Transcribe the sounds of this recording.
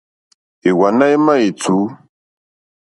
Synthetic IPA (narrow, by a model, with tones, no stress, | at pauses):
e˨wa˨na˦e˦ma˦e˨t͡su˨˦